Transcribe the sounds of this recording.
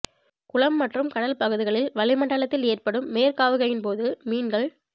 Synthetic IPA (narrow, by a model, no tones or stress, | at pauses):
kʊɭɐmːɐʈrɯmkɐɽɐlpɐɣɯðɪɣɐɭɪlʋɐɭɪmɐɳɖɐɭɐt̪ːɪleːrpɐɽɯmːeːrkaːʋɯɣɐjɪnpoːðɯmiːnɡɐɭ